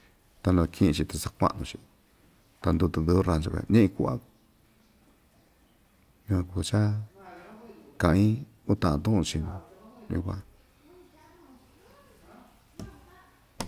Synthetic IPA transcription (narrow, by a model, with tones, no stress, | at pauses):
t̪a˧lõ˧kʰĩ˦ĩ˧t͡ʃi˧t̪a˧sa˧kʷa̰˦ʔnũ˧t͡ʃi˧ | t̪a˧nd̪u˧t̪u˧d̪u˧u˦ɾa˧t͡ʃa˧kḛ˧˨˧nẽ˦ʔĩ˧ku˧a̰˦ | ɲũ˧kʷã˧ku˧t͡ʃa˦ | kã˧˨ĩ˦ | u˦t̪ã˨ʔã˧t̪ũ˦ʔũ˧t͡ʃĩ˧nũ˧jṵ̃˧kʷã̰˧